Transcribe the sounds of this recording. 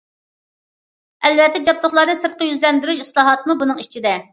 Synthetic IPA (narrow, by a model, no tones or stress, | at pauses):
ɛlvɛt̪ːɛd͡ʒɑp̚t̪ˠʊχlˠɑɾnɨsɨɾ̚qəjyzlɛnd̪yɾyʃislˠɑːɦɑt̪mubunɨŋit͡ʃʰid̪ɛ